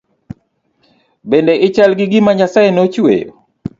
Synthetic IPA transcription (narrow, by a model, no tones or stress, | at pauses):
bɛndɛʔɪt͡ʃalɡɪɡɪmaɲasaɛnot͡ʃwḛjo̰